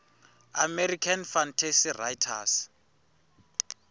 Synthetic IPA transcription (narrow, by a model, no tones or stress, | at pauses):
amerikʰanfantʰesirajtʰas